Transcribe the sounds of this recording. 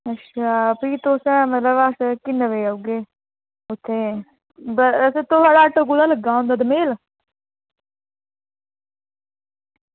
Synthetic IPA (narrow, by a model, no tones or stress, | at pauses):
ətːʃʰaːpiːt̪oːsɛ̃ːmət̪ləbaskɪnəʋeːauɡeː | ʊt̪ʰːeː | bəəset̪oɦaːɽaːəʈoɡulaːləɡãːõnd̪aːd̪əmeːl